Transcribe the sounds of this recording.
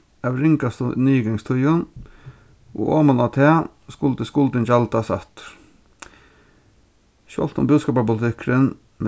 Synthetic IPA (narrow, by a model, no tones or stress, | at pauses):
ɑʋɾɪŋkɑst̪nyːɡɑŋst̪ʰʉjʊn | o̰ːʔoːmɑnɑt̪ʰeː | skʊlt̪əskʊlt̪ənd͡ʒɑlt̪ɑsɑ̰t̪ | ʃɔ̰lt̪ʊ̰mbʉːd̪skɑːpɑpʊlɪt̪ʰɪkʰɾən | m